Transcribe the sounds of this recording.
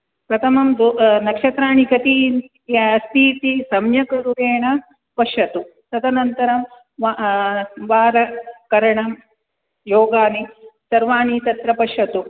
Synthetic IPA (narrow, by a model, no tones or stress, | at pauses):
pɾɐt̪ʰɐmɐmd̪onɐkʂɐt̪ɾaːɳikɐt̪i | ɐst̪ʰiːt̪isɐmjɐkɐɾuɾeːɳɐ | pɐʂɐt̪u | t̪ɐt̪ɐnɐnt̪ɐɾɐm | ʋ | ʋaːɾɐkɐɾɐɳɐm | joːɡaːnisɐɾʋaːɳiːt̪ɐt̪ɾɐpɐʃɐt̪u